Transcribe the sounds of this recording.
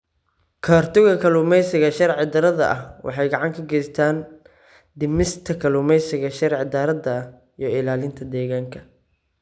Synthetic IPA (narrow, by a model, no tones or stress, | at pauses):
kʰaːrt̪ʰʊɣɐkʰɐlʊːmɛjsɪɣɐʃɐɾʕɪd̪ɐɾɐðɐ̰ʔɐhwʔɑ̰ħɑjɡɑʕɑŋkʰɐɡɛjst̪ʰaːn | d̪ɪmɪst̪ʰɐkʰɐlʊːmɛjsɪɣɐʃɐɾʕɪd̪ɐɾɐd̪ɐ | jɔɪlaːlɪnt̪ʰɐd̪ɛːɣaːŋkʰɐ̥